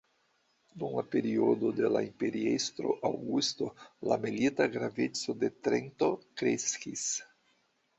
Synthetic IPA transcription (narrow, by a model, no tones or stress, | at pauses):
d̪uŋlapeɾiod̪od̪elaimpeɾiest̪ɾoʔawɡust̪olamelit̪aɡɾavet͡sod̪et̪ɾent̪okɾeskis